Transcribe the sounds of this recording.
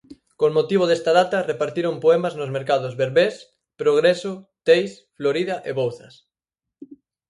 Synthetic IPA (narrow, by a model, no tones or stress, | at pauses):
koŋmot̪iβ̞oðest̪að̞at̪ɐrepaɾt̪iɾompoemaznozmeɾkaðʊzβeɾβes | pɾoɣɾesʊt̪ejs | floɾiðɐʔeβowθɐs